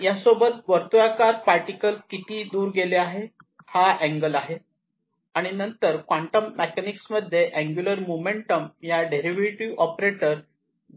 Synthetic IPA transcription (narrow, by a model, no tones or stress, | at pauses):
jasobət̪̚ʋəɾt̪ʋakaɾpaɾʈikəlkit̪iːd̪uːɾɡeleaɦe | haʔæ̃ŋɡəlaɦe | aɽ̃inənt̪əɾkʋaɳʈəmːekɛniksməd̪ʱjeʔæ̃ŋɡjuləɾmumeɳʈəmjaɖeɾiʋɾiʈiʋɔpɾeʈəɾ